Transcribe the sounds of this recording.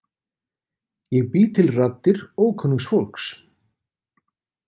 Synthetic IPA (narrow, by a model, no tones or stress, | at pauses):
jɛɣpiːt̪ʰɪlrat̪ːɪɾoːwkʰœnːɪŋsfolks